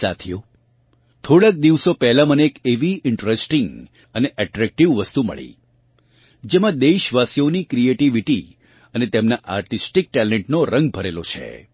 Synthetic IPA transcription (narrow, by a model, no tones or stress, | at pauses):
sa̰t̪ʰijo | t̪ʰoɽək̚d̪iʋsopɛɦlaməneːkeʋiɪɳʈɾesʈĩŋɡ | əneʔɛʈɾɛk̚ʈiʋʋəst̪umə̰ɭḭ | d͡ʒemãd̪eʃʋasijonikɾieʈiʋiʈi | ənet̪emnaʔa̰ɾʈisʈik̚ʈɛleɳʈnoɾə̃ŋɡ̚bʱəɾelot͡ʃʰḛ